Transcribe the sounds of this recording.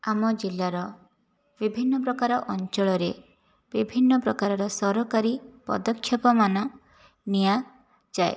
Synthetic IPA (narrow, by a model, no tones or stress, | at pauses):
amɔd͡ʒilːaɾɔ | bibʱinːɔpɾɔkaɾɔʔɔnt͡ʃɔɭɔɾe | b̥ibʱinːɔpɾɔkaɾɔɾɔsɔɾɔkaɾipɔ̰d̪ɔkʰːjɔpɔmanɔ | nija | d͡ʒae